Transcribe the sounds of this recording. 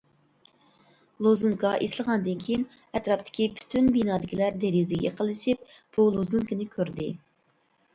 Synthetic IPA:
lˠozuŋkʰɑʔeslˠəʁɑnd̪ɨnkʲʰejin | ɛt̪ɾɑpt̪ʰɪ̥kʲipʰy̥t̪ʰynbinɑːd̪ɪkʲʰilæɾd̪eɾizɪɡʲɛ̰qʰəlˠɨʃip̚ | b̥ulˠozuŋkɪnɪkʲʰøɾd̪ɪ

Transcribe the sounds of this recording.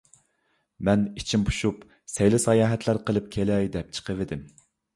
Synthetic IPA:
mɛnit͡ʃʰimbu̥ʃup | sɛjlɪsɑjɑːɦɛt̪læɾqəlˠɨp̚kʲʰelɛjd̪ɛp̚t͡ʃʰə̥qʰəvɪd̪ɪm

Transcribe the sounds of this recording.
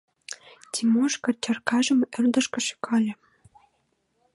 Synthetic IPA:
tʲʰimoʃkɑ̆t͡ɕɑrkɑʒə̆mɘrd̪ə̆ʃkɤ̆ʃi̥kɑlʲɤ̆

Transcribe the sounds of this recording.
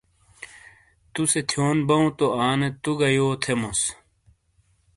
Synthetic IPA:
t̪uset̪ʰjoːnbɐũt̪oaːnet̪uɡɐjoːt̪ʰemos

